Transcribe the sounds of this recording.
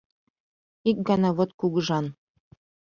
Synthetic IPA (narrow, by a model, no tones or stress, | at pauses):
ik̚ɡɑnɑβot̪kuɣəʒɑn